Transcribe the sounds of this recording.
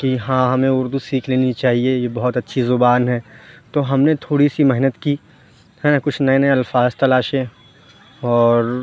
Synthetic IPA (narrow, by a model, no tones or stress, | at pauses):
kiɦãːɦɐmẽʊɾd̪usiːkʰleːnit͡ʃaːɦiejebɐɦɔt̪ɐtːʃʰizʊbaːnɦɛːt̪oɦɐmnet̪ʰoːɽisimɛɦnət̪kiː | ɦɛnkʊt͡ʃʰnɐẽnɐlfaːzt̪ɐlaːʃẽ | ɔːɾ